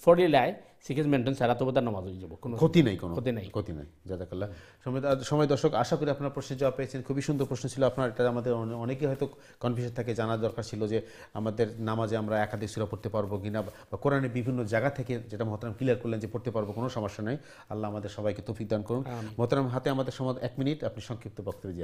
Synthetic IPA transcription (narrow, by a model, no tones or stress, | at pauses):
fʰɔɽilae | sikesmeɳʈonsaɾat̪obod̪aɾnɔmad͡ʑod͡ʑabokonokʰot̪inajkonoot̪inajkʰot̪ina̰jd͡ʑazakalːa | ʃɔmʃɔmɔed̪ɔɾʃokaʃakoɾiapnaɾpɾosned͡ʑɔwapeet͡ɕʰenkʰubiʃund̪ʱoɾpɾosnot͡ɕʰiloapnaɾeʈaamad̪eɾɔnekeɦɔjt̪o | kɔnfiʃant̪ʰaked͡ʑanaɾd̪ɔɾkaɾt͡ɕʰilod͡ʑe | a̰mad̪eɾnamad͡ʑeamɾaɛkad̪ʱiksuɾapoɾt̪epaɾbokinabakoɾaneɾbibʱinːod͡ʑaɡat̪ʰeked͡ʑeʈamɔɦot̪oɾamkiliaɾkoɾlend͡ʑepoɾt̪epaɾbokonoʃɔmoʃanɔj | alːaamad̪eɾʃɔbajket̪owfik̚d̪ankoɾunmɔɦot̪oɾamɦat̪eamad̪eɾʃɔmod̪ɛkminiʈapniʃɔŋkɾip̚t̪obɔk̚t̪oɾed̪ia